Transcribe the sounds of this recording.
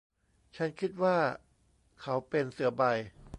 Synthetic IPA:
t͡ɕʰa˦˥nkʰi˦˥t̪̚waː˥˩ | kʰa˦˥wpe˧nsɯ˩˦ɐba˧j

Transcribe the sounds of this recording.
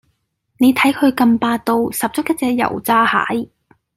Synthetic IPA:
ne˨˧jt̪ʰɐ˨˥jkʰɵ˨˧ɥkɐ˧mpaː˧t̪o˧wsɐ˨p̚t͡sʊ˥k̚jɐ˥t̚t͡sɛː˧k̚jɐ̰˨˩wt͡saː˥ha̰ː˨˥j

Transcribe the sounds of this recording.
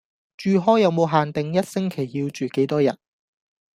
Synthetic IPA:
t͡ʃyː˨˧ɦɔː˥jɐ˨˧wmo˨˧wɦaː˨nt̪ɪ˨ŋjɐ˥t̚sɪ˥ŋkʰe˨˩jːiː˧wt͡ʃyː˨˩ke˨˥jt̪ɔː˥jɐ̰˨˩t̚

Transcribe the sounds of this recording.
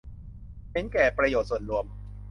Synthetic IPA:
t͡ɕʰe˦˥nkɛː˨˩pɾa˧joː˨˩t̪̚su˨˩ət̪̚ɾu˧əm

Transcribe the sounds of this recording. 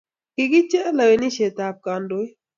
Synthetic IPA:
kɪ˨ɡɪ˦t͡ʃɛ˦la˨we˨ni˦ʃe˨t̪a˨p̚ka˨ndo˦i˦

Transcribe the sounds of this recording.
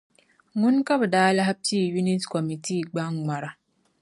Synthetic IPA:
ŋu˦nka˦bɨ˨daː˦la˦ha˦pi˦˨ju˦ni˦sko˨mi˨ti˦˨ɡ͡ba˦ŋŋ͡ma˨ɾa˨

